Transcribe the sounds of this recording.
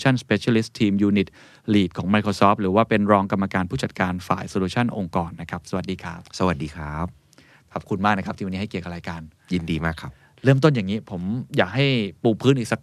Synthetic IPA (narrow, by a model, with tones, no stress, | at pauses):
t͡ɕʰa˥˩nspeː˦˧˥t͡ɕʰa˧li˦˥st̪ʰiː˧mjuː˧ni˨˩t̪̚ | liː˨˩t̪̚kʰɔː˩˦ŋma˧jkʰɾoː˧sɔː˦˥p̚ɾɯː˩˦waː˥˩pe˧nɾɔː˧ŋka˧mːa˧kaː˧npʰuː˥˩t͡ɕa˨˩t̪̚kaː˧nfa̰ː˨˩jsoː˧luː˧t͡ɕʰa˥˩nʔo˧ŋkɔː˨˩nːa˦˥kʰa˦˥p̚sa˧wa˨˩t̪̚diː˧kʰɾaː˦˥p̚sa˧wa˨˩t̪̚diː˧kʰɾaː˦˥p̚ | kʰa˨˩p̚kʰu˧nmaː˥˩k̚na˦˥kʰp̪̚ʰiː˧wni˦˥˩ki˨˩əwka˨˩ɾaː˧jkaː˧n | ji˧ndiː˧maː˥˩kʰːa˦˥p̚ | ɾɤː˥˩mt̪o˥˩njaː˨˩ŋːiː˦˥pʰo˩˦mjaː˨˩k̚ɦa˥˩jpuː˧pʰɯː˦˥nʔi˨˩k̚sa˧˦k̚